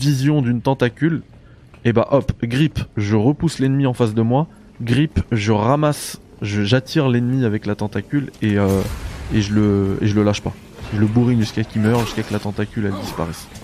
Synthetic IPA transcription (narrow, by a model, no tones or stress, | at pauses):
vizjɔ̃d̪ynt̪ɑ̃t̪akʲyl | ebaʔɔpɡʁipʒəʁəpuslɛnmiɑ̃fasd̪əmwa | ɡʁipʒəʁamas | ʒəʒat̪ʰiʁlɛnmiavɛklat̪ɑ̃t̪akʲyleøeʒələḛʒələlaʃpa | ʒələbuʁiʒyskakʲimœʁʒyskakəlat̪ɑ̃t̪akʲylɛld̪ispa̰ʁɛs